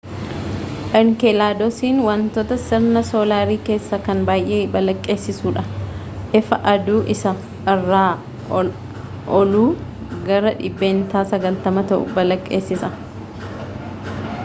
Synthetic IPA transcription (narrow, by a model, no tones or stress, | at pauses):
ʔɐŋkɛlaːd̪ɔsiːnwɐnt̪oːt̪ɐsɪɾnɐso̞ːlaːɾiːke̞ːsːɐkɐnbaːjʔe̞ːbɐlɐkʼːe̞ːsːɪsuːᶑɐ | ʔɪfɐʔɐd̪uːʔɪsɐ | ʔɐrːaː | ʔɔluː | ɡɐɾɐᶑɪbːeːnt̪aːsɐɡɐlt̪ɐmɐt̪ɐʔʊ̰bɐlɐkʼːe̞ːsːɪsɐ